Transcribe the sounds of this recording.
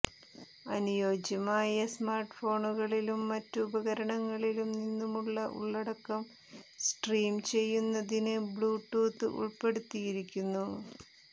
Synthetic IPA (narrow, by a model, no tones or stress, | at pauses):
ɐnujo̞ːd͡ʑɐmaːjɐsmaːrʈfo̞ːɳuɣɐɭilumːɐtːubɐɣɐɾɐɳɐŋːɐɭilumninːumuɭːɐʔṵɭːɐɽɐkːɐm | sʈriːmt͡ɕe̞jːunːɐðinɨbɭuːʈːuːt̪ːɨ̰ʔṵɭpe̞ɽut̪ːijiɾikʲːunːu